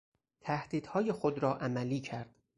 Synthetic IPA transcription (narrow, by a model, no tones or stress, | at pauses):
t̪ʰæhd̪̥iːd̪̥hɒːjexod̪ɾɒːʔæmæliːcʰæɾd̪̥